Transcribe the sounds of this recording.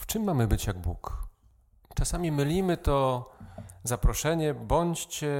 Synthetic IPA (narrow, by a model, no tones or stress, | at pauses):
ft͡ʂɘmːamɘbɘt͡ɕjaɡ̚bṵk | t͡ʂasamʲimɘlʲimɘt̪ɔ | zapɾɔʂɛɲɛbɔɲt͡ɕt͡ɕɛ